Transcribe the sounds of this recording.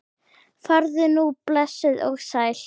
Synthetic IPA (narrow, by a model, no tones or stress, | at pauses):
faɾðʏnuplɛsːɪðɔɣsaːjl̥